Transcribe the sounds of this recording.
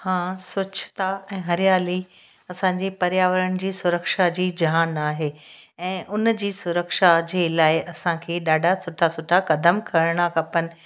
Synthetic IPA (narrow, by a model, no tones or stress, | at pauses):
hãːsʊt͡ɕʰɪ̥t̪aɛ̃ːɦɐɾɪjaːli | ɐsãɲ̆d͡ʑepɐɾjaːʋəɾəɽ̃ɪ̆d͡ʑiːsʊɾəkʃad͡ʑiːd͡ʑaːnaːɦeːɛ̃ːʔʊnd͡ʑiːsʊɾəkʃad͡ʑeːlaːɪʔɐsãkʰeːɗaːɖʱasʊʈʰasʊʈʰakɐd̪əmkʰɐɾəɽ̃akɐpənɪ̆